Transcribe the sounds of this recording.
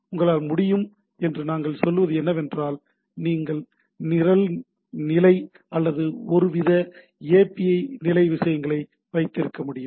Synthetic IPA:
ʊŋɡɐɭaːlmʊɽɪjɯm | ɛndrɯnaːŋɡɐɭsɔlːɯʋɐðɯɛnːɐʋɛndraːl | niːŋɡɐɭ | nɪɾɐl | nɪlɐɪ | ɐlːɐðɯɔɾɯʋɪðɐ | eːpiɐɪnɪlɐɪʋɪʂɐjɐŋɡɐɭɐɪ | ʋɐɪt̪ːɪɾɯkːɐmʊɽɪjɯm

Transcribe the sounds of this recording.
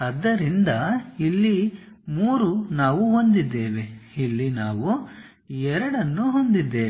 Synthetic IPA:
ɐd̪ːɐɾind̪ɐilːi | muːɾunaːʋuɦo̞nd̪id̪ːe̞ːʋeilːinaːʋu | ɛɾɐɽɐnːuɦo̞nd̪id̪ːe̞ː

